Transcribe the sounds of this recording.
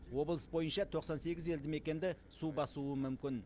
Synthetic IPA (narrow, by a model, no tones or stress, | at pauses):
wo̞blˠəsbo̞jənʃɑt̪ʰo̞qsɑnse̞ɡʲɪze̞ld̪ɪme̞kʲe̞nd̪ɪ | subɑsuəmʏmkʲɪn